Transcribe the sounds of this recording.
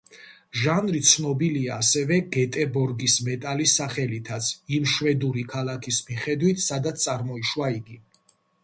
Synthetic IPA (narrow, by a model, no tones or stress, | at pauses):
ʒanɾit̪sʰnɔbiliaːsɛvɛɡɛt̪ʼɛbɔɾɡismɛt̪ʼalisaχɛlit̪ʰat̪sʰimʃwɛd̪uɾikʰalˠakʰismiχɛd̪wit̪ʰsad̪at̪t̪ʼaɾmɔiʃwaiɡi